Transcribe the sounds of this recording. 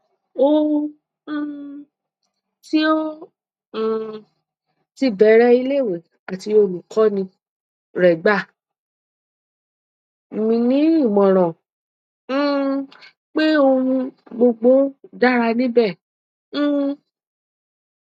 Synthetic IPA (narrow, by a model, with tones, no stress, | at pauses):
o˦˧ũ˧˦ | ti˦o˦˨ | ti˧bɛ˨˦ɾɛ˦i˧le˦˨we˨˦ | a˨ti˧˦o˧˨nũ˨kʰɔ˦nĩ˧ | ɾɛ˨ɡ͡ba˦˨ | mĩ˧nĩ˨˦ĩ˦˨mɔ̃˨ɾ̃ɔ̃˨˦ | k͡pe˦o˧ũ˧ɡ͡bo˧ɡ͡bo˦da˦ɾa˧nĩ˦bɛ̃˦˨˦